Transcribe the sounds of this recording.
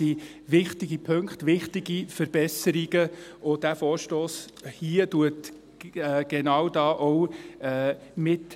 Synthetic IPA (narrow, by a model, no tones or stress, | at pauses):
i | ʋɪχtɪɡipʰɵŋkχtʋɪχtiɡifəɾb̥ɛsəɾiɡəʊd̥æfoːɾʃtoːs | hiəduətː | ɡ̥ɛnɑːwdɑːʔɔwː | mɪt